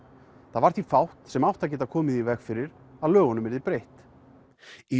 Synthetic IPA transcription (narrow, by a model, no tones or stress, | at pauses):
θaðvaɾ̥t̪ifawht̪sɛmawht̪acɛːt̪akʰɔːmɪðivɛxfɪɾɪɾ̥ | aðlœːɣɔnʏmvɛɾðɪpɾejht̪ | i